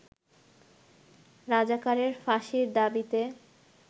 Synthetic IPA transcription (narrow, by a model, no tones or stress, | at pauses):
ɾad͡ʑakaɾeɾfaʃiɾd̪abit̪e